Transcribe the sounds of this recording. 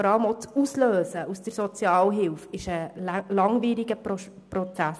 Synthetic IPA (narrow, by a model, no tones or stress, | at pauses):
ɾɑləmot͡susløːsəusd̥əɾsɔt͡sjɑːlɦɪlfɪʃəlɑŋʋiːɾiɡə | pɾɔt͡sæs